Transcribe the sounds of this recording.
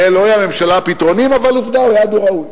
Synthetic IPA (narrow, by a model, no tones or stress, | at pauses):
eloajame̞mʃalapit̪ʁo̞nimavaluvd̪aojad̪oʁaut